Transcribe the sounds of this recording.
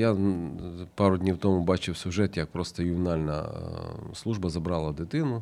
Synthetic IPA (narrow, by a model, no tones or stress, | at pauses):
ja | pɑɾʊdʲnʲiwt̪ɔmʊbɑt͡ʃɪwsʲʊʒɛt̪jɐk̚pɾɔst̪ɐjʊmʲɪnɑlʲnɐ̰ | slˠuʒbɐzɐbɾɑlˠɐd̪ɪt̪ɪnʊ